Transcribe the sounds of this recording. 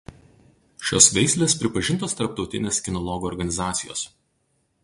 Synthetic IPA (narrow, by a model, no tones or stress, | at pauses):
ʃʲo̰ːsʋʲɛɪsʲlʲeːspʲɾʲɪpɐʒʲɪnˑt̪oːst̪ɐɾp̚t̪ɒʊt̪ʲɪ̰nʲeːskʲɪnɔlˠɔɡuɔɾɡɐnʲɪzɑːt̪sʲɪjo̰ːs